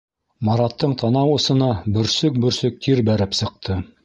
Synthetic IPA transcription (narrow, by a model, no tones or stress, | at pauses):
mɑɾɑt̪ːɤɴt̪ʰɑnɑwɤ̆sɤ̆nɑbɵ̆ɾsɵk̚bɵ̆ɾsɵk̚t̪ʰiɾbæɾɘpsɤ̆q̚t̪ʰɤ